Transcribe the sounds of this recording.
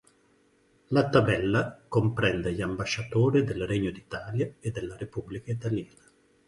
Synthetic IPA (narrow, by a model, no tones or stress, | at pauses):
lat̪abɛlːakompɾɛnd̪eʎambaʃːat̪oːɾid̪elreɲːod̪it̪aːljaed̪ːelːaɾepublikait̪aljaːna